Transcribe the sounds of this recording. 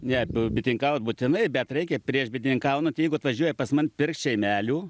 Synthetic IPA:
nʲɛbʲɪt̪ʲnʲɪŋkɑʊt̪̚buːt̪ʲɪnɐɪbʲɛt̪rɛɪkʲɛpʲɾʲiɛʃbʲɪt̪ʲnʲɪŋkɐʊnot̪ʲjɛɪɡʊɐt̪ʋɐʒʲuɔjɛpɐsmɐnpʲɪrkt͡ʃʲɛɪmʲæːlʲuː

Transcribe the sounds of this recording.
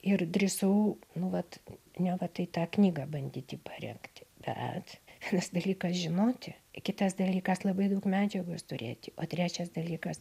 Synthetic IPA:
ɪrd̪ʲrʲɪsɐʊnʊʋɐt̪nʲɛʋɐt̪ɐɪt̪ɑːknʲiːɡɑbɐnʲd̪ʲiːt̪ʲiːpɑɾʲɛ̰ŋkt̪ʲb̥ʲɛ̰t̪ʲiːnɐsd̪ɐlʲiːkɐsʒʲɪnoːt̪ʲɪkʲɪt̪ɐsd̪ɐlʲiːkɐslˠɐbɐɪd̪ɐʊkmʲæːd͡ʒʲɛɡoːst̪ʊɾʲeːt̪ʲɪʔoːt̪ʲɾʲæːt͡ʃʲɛsd̪ɐlʲiːkɐs

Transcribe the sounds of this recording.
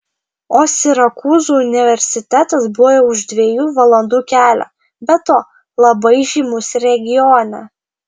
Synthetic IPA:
oːsʲɪɾɐkuːzuːʊnʲɪʋʲɛɾʲsʲɪt̪ʲæt̪ɐsbujoʊʒd̪ʲʋʲeːjuːʋɐlˠɐnd̪uːkʲæːlʲæ̰ː | bʲɛt̪oː | lˠɐbɐɪʒʲiːmʊsʲɾʲɛɡʲɪjɔːnʲɛ

